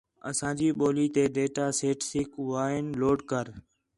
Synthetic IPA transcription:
ə̰sãːd͡ʒiːɓoːliːt̪eːɖeːʈaːseːʈsɪkʋaːɪnloːɖkəɾ

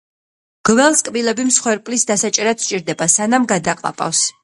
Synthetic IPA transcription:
ɡ̥vɛlˠskʼbilɛbimsχwɛɾpʼlisd̪asat͡ʃʼɛɾat̪t͡ʃʼiɾd̪ɛbasanamɡad̪aqʼlˠa̰pʼa̰fs

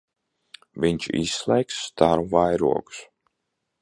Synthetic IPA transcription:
viɲt͡ʃḭsslˠɛjksːt̪aɾuvajɾṵɔku̥s

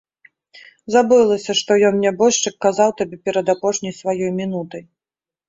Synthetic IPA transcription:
zabɨlˠɐsʲɐʂt̪ɔjɔnnʲabɔʂt͡ʂɨkːazawt̪abʲɛpʲɛɾɐd̪apɔʂnʲɐjsvajɔjmʲin̪ut̪ɐj

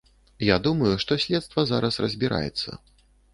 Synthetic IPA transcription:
jad̪umɐjuʂt̪ɔsʲlʲɛt̪st̪vɐzaɾɐsrɐzʲbʲiɾa̰jɛ̰t̪sːɐ̰

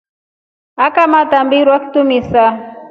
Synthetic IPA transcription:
akamatambiɾwaki̥tumisa

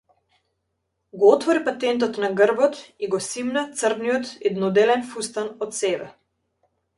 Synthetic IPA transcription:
ɡɔɔt̪vɔɾipat̪ɛnt̪̬ɔt̪naɡərbɔt̪iɡɔsimnat̪sərd̪nijɔt̪ɛd̪nɔd̪ɛlɛnfust̪anɔt̪sɛbɛ

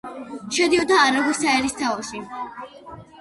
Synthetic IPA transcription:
ʃɛd̪iɔd̪aːɾaɡusaɛɾist̪ʰavɔʃi

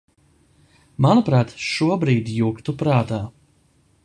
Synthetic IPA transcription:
manupɾaːt̪ʃuɔbɾiːd̪juːkt̪upɾaːt̪aː

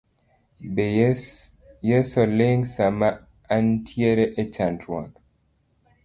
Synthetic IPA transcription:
b | jɛsɔleŋsamaː | ntʰieɾɛʔɛt͡ʃantʰwak

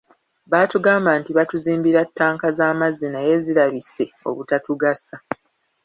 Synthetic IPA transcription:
βaːtuɡaːmbaːntiβatuziːmbiɾatːaːŋkazaːmazinaje̞ziɾaβise̞ | o̰βutatuɡasa

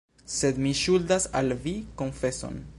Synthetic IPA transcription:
se̞d̪miʃuldasalviko̞nfe̞so̞̰n

